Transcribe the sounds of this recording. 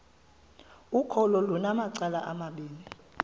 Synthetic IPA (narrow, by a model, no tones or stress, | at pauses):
ukʰɔlɔlunamaǀalaʔamaɓiːni